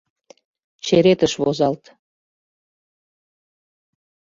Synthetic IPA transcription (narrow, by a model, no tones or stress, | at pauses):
t͡ɕeɾet̪əʃβozɑlt̪